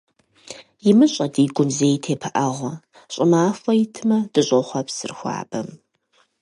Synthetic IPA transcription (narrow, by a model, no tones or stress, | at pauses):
jɪmɨɕʼɐdiːɡʷʊmzeːjtʰeːpʰɐʔɐʁʷɐ | ɕʼɪmaːfɐjɪtʰɨmɐd̥ɨɕʼoχʷɐpsɨ̰rxʷɑ̰ːb̥ɐm